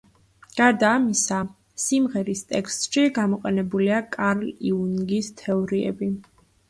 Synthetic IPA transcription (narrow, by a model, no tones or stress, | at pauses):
ɡ̥aɾd̪aːmisa | simʁɛɾist̪ʼɛkst̪ʼʃiɡamɔqʼɛnɛbuliakʼaɾliunɡist̪ʰɛɔɾiɛ̰bi